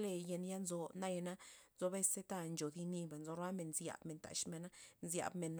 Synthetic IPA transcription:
le˧je˧nja˦nzo˧na˦je˧na˦nzo˧be˦se˦t̪a˧nd͡ʒo˨d̪i˧ni˧ba˨nzo˧ɾa˦me˨nzja̰˨bme˨nt̪a̰˨ʃme˨na˦nzja̰˨bme˨n

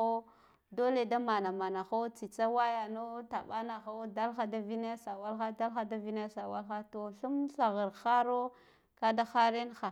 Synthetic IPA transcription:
o˦ | do˦le˨da˦ma˨na˨ma˨na˨xo˦t͡si˨t͡sa˦wa˦ja˨no˦ta˨ɓa˦na˨xa˦da˦lxa˨da˦vi˦na˦sa˨wa˦lxa˦da˦lxa˦da˦vi˦na˦sa˨wa˦lxa˦to˨ɬu˦mɬa˨ɣə˨ɾxa˦ɾo˦ | ka˦da˦xa˦ɾe˦nxa˨

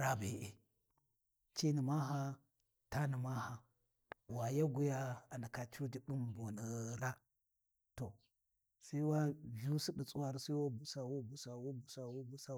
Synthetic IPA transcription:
ɾa˦be˨ʔe˨ | t͡ʃi˦ni˨ma˦ɦa˦ | ta˦ni˨ma˦ha˨ | wa˨ja˦ɡu˦ja˦a˨na˨ka˨t͡ʃu˦d͡ʒi˦bu˦m˨bu˨nə˨ɾa˦ | to˨ | sa˦i˦wa˦vi˦u˦si˦ɗi˨t͡sʼu˦wa˦ɾsa˦i˦wa˦bu˨sa˨wo˦bu˨sa˨wo˦bu˨sa˨wo˦bu˦sa˨

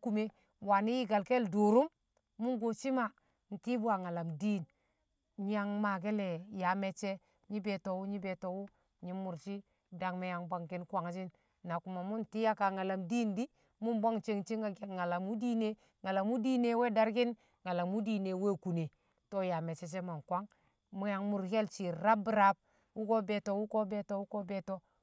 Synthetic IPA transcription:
ku˨me˦ | wa˨ni˦ji˦ɡa˨lke˦ldu˨ɾu˦m | mu˦nɡo˨t͡ʃi˦ma˦ | n̩˨ti˦bu˦a˨ŋa˨la˨mdi˦˨n | ɲ˦ja˦ŋma˨ɡe˦le˨ja˨me˨t͡ʃe˦ | ɲi˦be˨to˨wu˦ɲi˦be˨to˨wu˦ | ɲi˦mu˨ɾt͡ʃi˦ | da˨ŋme˦ja˨ŋba˦ŋki˦nkʷa˨ŋ˦t͡ʃi˦n | na˨ku˨ma˨mu˦nti˦ja˦ka˨ŋa˨la˨mdi˦˨ndi˦ | mu˦nbo˦ŋt͡ʃe˦ŋt͡ʃi˦a˨˦ŋa˨la˨mu˦di˦ne˦ | ŋa˨la˨mu˦di˦ne˨˦we˦da˦ɾki˦n | ŋa˨la˨mu˦di˨ne˨˦we˦˨ku˨ne˨ | to˦ja˨me˨t͡ʃe˦t͡ʃe˦ma˨nkwa˦ŋ | mu˦ja˨ŋmu˨ɾke˦lt͡ʃi˨ɾa˦bu˨ɾa˨˦b̚ | wu˦ko˦be˨to˨wu˦ko˦be˨to˦wu˦ko˦be˨to˦

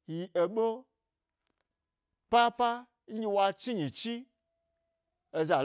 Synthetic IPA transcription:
ji˧ʔe˧ɓo˦ | pa˦pa˦ | ŋ̩˦ɡʲe˧wa˧t͡ʃi˦ɲĩ˨t͡ʃi˦ | e˧za˨

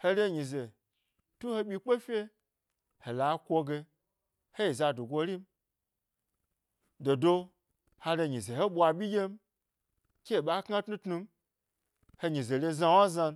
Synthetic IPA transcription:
he˧le˦ɲi˨ze˨ | tu˦ho˧ɓʲi˧k͡pe˦fʲe˦ | he˨la˨˦kʷo˧ɡe˧ | he˦ji˨za˧du˨ɡʷo˧˦ɾi˦m̩˦ | do˨do˧ | ha˧ɾe˧ɲĩ˨ze˨ho˦ɓʷa˧ɓʲi˦jʲe˦m˦ | kʲe˦˨ɓa˨˦kŋa˦tnu˦tnu˧m˦ | he˧ɲĩ˨ze˨le˧za˧wa˦za˧n˦

